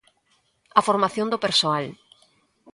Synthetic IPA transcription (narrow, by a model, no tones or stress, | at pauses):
afoɾmaθjõnd̪opeɾsoal